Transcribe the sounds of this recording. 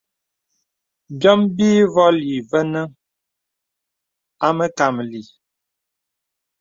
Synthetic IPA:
bjɔ˦mbiː˦vɔ˦li˨və˦nə˦ | a˦mə˦ka˨mli˨

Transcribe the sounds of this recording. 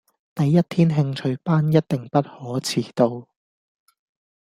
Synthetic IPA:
t̪ɐ˨jːɐ˥t̚t̪ʰiː˥nɦɪ˧ŋt͡ʃʰɵ˧ɥpaː˥njɐ˥t̚t̪ɪ˨ŋpɐ˥t̚hɔː˨˥t͡sʰiː˨˧t̪o˧w

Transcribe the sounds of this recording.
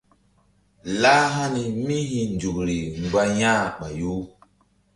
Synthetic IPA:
la˦ɦa˦ni˨mi˦hĩ˨nd͡ʒu˨kɾi˨ŋɡ͡ba˦jãː˦ɓa˨ju˦

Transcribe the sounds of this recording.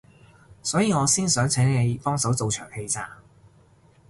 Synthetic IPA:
sɔː˨˥jiː˨˧ŋɔː˨˧siː˥nsœː˨˥ŋt͡sʰɛ˨˥ŋne˨˧jfɔː˥ŋsɐ˨˥wt͡so˨wt͡ʃʰœː˨˩ŋhe˧jt͡sa̰ː˧ŋ

